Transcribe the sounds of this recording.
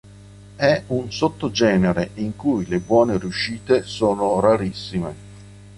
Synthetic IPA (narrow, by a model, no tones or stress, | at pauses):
ɛunsot̪ːod͡ʒɛːneɾeʔiŋkujlebwɔːneɾjuʃiːt̪esoːnoɾaɾisːimḛ